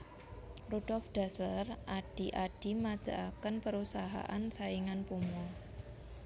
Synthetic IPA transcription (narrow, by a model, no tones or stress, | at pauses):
rud̥ɔlfɖ̥a̤slərʔaɖ̥i̤ʔaɖ̥i̤mad̪̥a̤ʔakənpəɾusaɦa̰ʔansaiŋanpumɔ